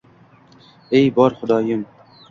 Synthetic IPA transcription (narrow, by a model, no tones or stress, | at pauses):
ejbɑːɾxʊd̪ɑːjəm